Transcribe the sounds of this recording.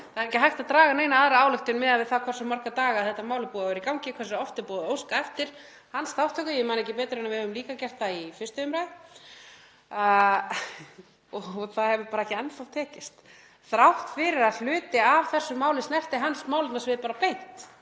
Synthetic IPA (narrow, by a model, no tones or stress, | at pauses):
θaðɛɾɛcɪɦajxt̪aðt̪ɾaːɣaneːjnaaðɾaaːwlʏxt̪ʏnmɪðavɪðθaðkʰvɔr̥sɛmːar̥kat̪aːɣaðθɛht̪amaːwlɪpuːavɛɾikawŋcɪkʰvɛɾsɔft̪ɪpɔːðɪowskaɛft̪ɪɾ̥ | hansθawht̪ʰœkʏjɛmaːnɛjcɪpɛːjt̪ɾɪɛnavɪhœvʏmliːkacɛr̥t̪aifɪst̪ʏʏmɾajð | ɔɣθaðhɛvʏpaːɾaɛhcːɪɛnfaft̪ʰɛːcɪst̪ | θɾawht̪fɪɾɪɾaðl̥ʏːt̪ɪavθɛsːʏmaːwlɪsnɛft̪ɪɦansmaːwlmɛsvɪðpaːɾapejt̪